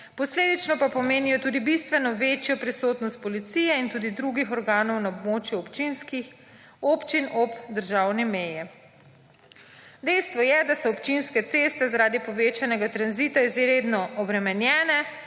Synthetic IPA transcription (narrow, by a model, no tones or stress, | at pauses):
pɔsleːd̪it͡ʃnɔpapɔmeːnijɔt̪uːd̪ibist̪ʋɛnɔʋet͡ʃjɔpɾisot̪nɔst̪̚pɔlit̪sijɛint̪uːd̪id̪ɾuɡixɔɾɡaːnɔwnaɔbmoːt͡ʃjuɔpt͡ʃinskix | oːpt͡ʃinʔɔbd̪əɾʒawnɛmeːjɛ | d̪ɛjst̪ʋɔjɛd̪asɔɔpt͡ʃinskɛt̪seːst̪ɛzaɾaːd̪ipɔʋeːt͡ʃanɛɡat̪ɾanzit̪aizɾed̪nɔɔbɾɛmɛnjɛːnɛ